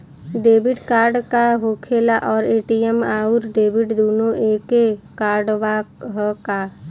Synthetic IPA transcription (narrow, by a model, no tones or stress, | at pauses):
ɖeːbɪʈkaːɾɖkaɦokʰeːlaʔɔːɾeːʈiemaːuɾɖeːbɪʈd̪oːnoʔeːkekaːɾɖʋaɦka